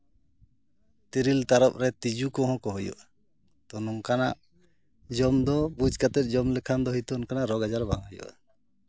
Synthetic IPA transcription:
t̪iɾilt̪aɾɔp̚ɾɛt̪id͡ʒukɔ̃ɦɔ̃kɔɦujɔ̰ʔ | t̪ɔnɔŋkanaʔ | d͡ʒɔmd̪ɔbud͡ʒkat̪ɛt̪̚ˀd͡ʒɔmlɛkʰand̪ɔɦit̪ɔnkanaʔɾɔɡad͡ʒaɾbaŋɦɔjɔ̰ʔa̰

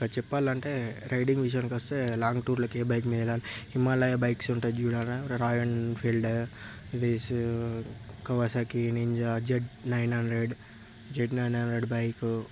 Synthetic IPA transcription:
kat͡ʃɛpːaːlɐɳʈe̞ːɾʔɐjɖiŋɡʋiʃ̬jɐnkɐst̪eːlaːŋɡʈuːɾloːkeːbɐjkmiːd̪ɐɛlaːlihimalɐjebɐjksuɳʈad͡ʒuːɽaːnɐɾɾaːjɐnpʰilɖid̪is | kɐʋasakiniɲd͡ʒad͡ʒeɖnɐjnɦɐnɾeɖ | d͡ʒeɖnɐjnɐnɾeɖbɐjku

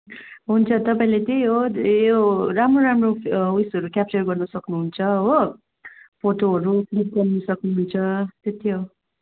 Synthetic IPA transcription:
ɦunt͡sʰʌt̪ʌpaĩlet̪ʌojoramroɾamrousɦʌɾukʲjap̚t͡sʌrɡʌrnʌsʌknuɦunt͡sʰʌɦo | poʈoɦʌɾupʰlik̚ɡʌrnʌsʌknuɦunt͡sʰʌt̪et̪ʰiɦo

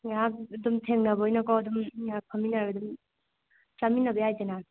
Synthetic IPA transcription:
ak̚dumtʰeŋnɐbɐɔjnɐkɔwɐdumapʰaminaɾadum | saminːɐbɐjajtena

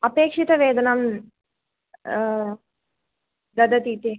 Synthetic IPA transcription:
ɐpeːkʂit̪ɐʋeːd̪ɐnam | d̪ɐd̪ɐt̪it̪i

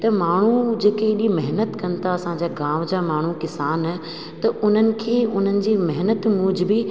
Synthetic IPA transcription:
t̪ɐmaːɳ̤ud͡ʑeːkeɪɗimɛɦnət̪kɐnt̪ʰaɐsãɲd͡ʑaːɡaːmd͡ʑaːmaːɳ̤ukɪsaːn | t̪ɐʔʊn̤ənɪ̆kʰeːʊn̤ənɪ̆d͡ʑiːmɛɦnət̪mʊ̃d͡ʑʱɪbɪ

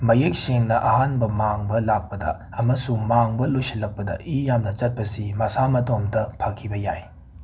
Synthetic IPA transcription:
mɐjek̚seŋnɐʔɐɦanbɐmaŋbɐlak̚pɐdɐ̰ | ɐmɐsumaŋbɐlojsilːɐk̚pɐdɐ̰ʔijamnɐt͡ʃɐt̚pɐsimɐsamɐtomdɐpʰɐkʰːibɐja̰j

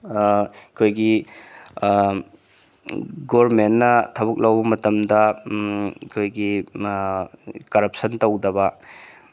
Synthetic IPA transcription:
kʰojɡi | ɡoɾmenːɐtʰɐbuk̚lɐwbɐmɐtɐmdɐ | kʰojɡi | kɐɾɐp̚sɐntɐwdɐβɐ

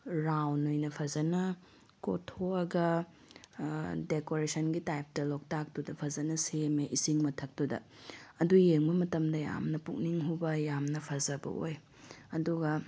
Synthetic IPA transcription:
ɾawnojnɐpʰɐzɐnɐ | ko̰tʰoɐɡɐ | dekoɾesʰɐnɡitajp̚tɐlok̚tak̚tudɐpʰɐzɐnɐsemeʔisiŋmɐtʰɐk̚tudɐ̰ | ɐdujeŋbɐmɐtɐmdɐja̰mnɐpuk̚niŋɦubɐjamnɐpʰɐzɐbɐ̰o̰j | ɐduɡɐ

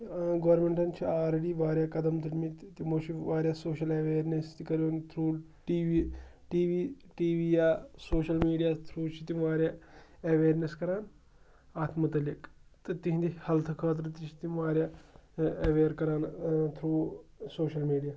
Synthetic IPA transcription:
ɡɐʋɾmeɳʈɐnt͡ʃʰialɾeɽiːʋaːɾʲjakɐd̪ɐmt̪ʰɐlmit̪t̪imot͡ʃiʋaːɾʲjasoːʃɐlɐʋeːɾnest̪ikɐɾont̪ʰɾuː | ʈiːʋiʈiːʋiʈiːʋijasoːʃɐlmiːɖijat̪ʰɾuːt͡ʃʰit̪imaːɾjaɐʋeːɾneskɐɾaːn | aːt̪mɐt̪ɐlɐkt̪ɐt̪ĩɦnd̪ihɐlt̪ʰɐkʰaːt̪̬ɾɐt̪it͡ʃʰi̥t̪imaːɾja | ɐʋeːɾkɐɾaːnt̪ʰɾuːsoːʃɐlmiːɖija

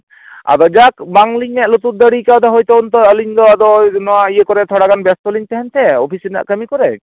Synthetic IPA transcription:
a̰d̪ɔd͡ʒakbaŋliɲɛʔlut̪uɾd̪əɽikawd̪aɦojt̪ɔɔnt̪ɔəliɲd̪ɔad̪ɔnɔwaijekɔɾɛt̪ʰɔɽaɡanbɛst̪ɔliɲt̪ɛɦɛnt̪ʰɛopʰisina̰ʔkəmikɔɾɛ

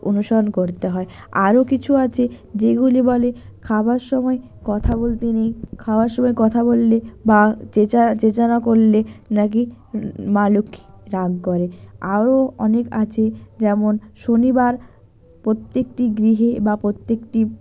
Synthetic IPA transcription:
o̰nuʃɔɾonkoɾt̪eɦɔe | aɾokit͡ɕʰuat͡ɕʰed͡ʑeɡulibɔlekʰabaɾʃɔmɔe | kɔt̪ʰabolt̪inejkʰabaɾʃɔmɔekɔt̪ʰabolːebat͡ɕet͡ɕat͡ɕet͡ɕanakoɾlenak̬i | maluki̥ɾaɡʱkoɾeaɾoɔ̰nekat͡ɕʰed͡ʑɛmonʃonibaɾ | pɾot̪ːek̚ʈiɡɾiɦebapɾot̪ːekʈi

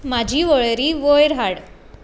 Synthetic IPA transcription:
mad͡ʑʱiːʋəɭɾiːʋojɾɦaɽ

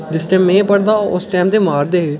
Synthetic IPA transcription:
d͡ʒɪsʈɛ̃ːmːẽːpəɽd̪aːʊsʈɛːmt̪eːmaːɾd̪eː

